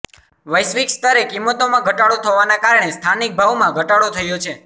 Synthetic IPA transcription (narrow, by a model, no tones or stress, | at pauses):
ʋəjsʋikst̪əɾekimot̪omãɡʱəʈaɭot̪ʰəʋanakaɾəɳ̃est̪ʰanik̚bʱaʋmãɡʱəʈaɽot̪ʰəjot͡ʃʰe